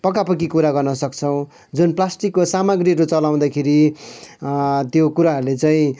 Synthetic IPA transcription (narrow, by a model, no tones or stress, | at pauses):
pʌk̬apʌkikuɾaɡʌrnʌsʌkt͡sʰʌw̃ | d͡zunplasʈikːosamʌɡriɾot͡sʌlaw̃d̪akʰeɾi | t̪jokuɾaɦʌɾulet͡saĩ